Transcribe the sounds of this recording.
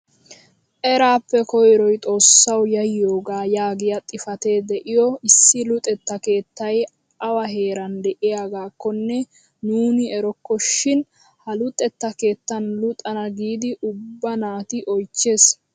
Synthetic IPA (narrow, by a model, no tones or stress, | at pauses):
ʔɛɾaːpːɛkɔjɾɔjt̪ʼo̞ːsːɐwjɐjːoːɡaːjaːɡɪjɐt̪ʼɪfɐt̪e̞ːd̪ɛʔɪjɔɪsːɪlʊt̪ʼɛt̪ːɐke̞ːt̪ːɐj | ɐwɐɦe̞ːɾɐnd̪ɛʔɪjaɡaːkːɔnːɛ | nuːnɪɛɾɔkːɔʃɪn | hɐlʊt̪ʼɛt̪ːɐke̞ːt̪ːɐnlʊt̪ʼɐnɐɡiːd̪ɪʔʊbːɐnaːt̪ɪʔɔjt͡ʃːeːs